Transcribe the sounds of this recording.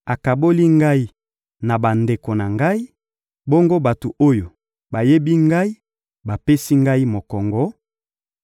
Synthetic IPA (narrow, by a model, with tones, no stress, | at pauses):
a˨ka˨bo˦li˦ŋɡa˦i˦ | na˨ba˨nde˨ko˨na˨ŋɡa˦i˦ | bo˦ŋɡo˦ba˨to˨o˦jo˨ | ba˨je˦bi˦ŋɡa˦i˦ | ba˨pe˦si˦ŋɡa˦i˦mo˨kɔ˨ŋɡɔ˦